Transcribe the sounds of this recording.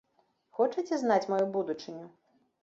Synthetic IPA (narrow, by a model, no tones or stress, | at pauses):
xɔt͡ʂɐt͡sʲɛznat͡sʲmɔjubud̪ut͡ʂɨnʲu